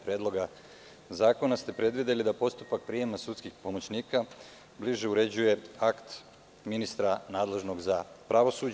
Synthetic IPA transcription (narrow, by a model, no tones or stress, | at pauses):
pɾeːd̪lo̞ɡa | zaːko̞nast̪e̞pɾe̞d̪ʋid̪e̞lid̪apo̞st̪upak̚pɾiemasut̪skixpo̞mo̞t͡ɕniːka | bliʒeuɾe̞d͡ʑuje̞akt̪ | minist̪ɾanaːd̪le̞ʒno̞ɡzapɾaʋo̞sud͡ʑ